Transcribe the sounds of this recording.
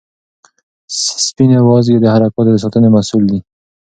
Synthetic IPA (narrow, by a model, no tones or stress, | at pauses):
spinewɑzɡed̪əhaɾakɑt̪od̪əs̬ɑt̪ənemasuld̪i